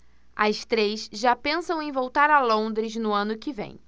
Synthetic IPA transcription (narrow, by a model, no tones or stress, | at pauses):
ɐst̪ɾejsʒapẽsɐ̃w̃ẽj̃vowt̪aɾɐlõd̪ɾɪznʊɐ̃nʊkɪvḛ̃j̃